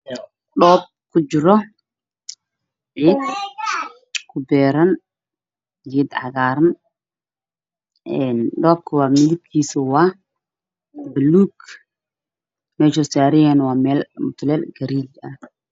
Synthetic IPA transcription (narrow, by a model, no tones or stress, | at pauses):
ɗɔːb̚kʰʊd͡ʒɪɾɔ | ʕiːd̪̚ | kʰʊbɛːɾɐn | ʕiːd̪ʕɑ̰ɣaːɾɐn | ʔɛnɗɔːb̚kʰɐwaːmɪðɪb̚kʰiːsʊwaː | bɐluːɡ | mɛːʃɔsaːɾɪjɛnwaːmɛːlmʊt̪ʰlɛːlɡɐɾiːlɐ̰